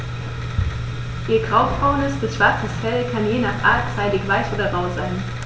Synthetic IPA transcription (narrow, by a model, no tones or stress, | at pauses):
ʔiːɐɡʁaʊpb̥ʁaʊnəsb̥ɪsʃv̥aɐt͡səsfɛlkʰanjeːnaːχʔa̰ɐt͡saɪdɪçv̥aɪsʔoːdɐʁaʊzaɪn